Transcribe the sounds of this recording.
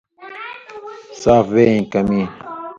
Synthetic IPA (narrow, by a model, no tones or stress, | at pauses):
saːfweːĩkɐmiː